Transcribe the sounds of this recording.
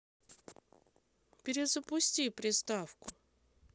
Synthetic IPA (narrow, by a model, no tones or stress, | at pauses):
pʲɪɾʲɪzəpʊsʲtʲipɾʲɪst̪afkʊ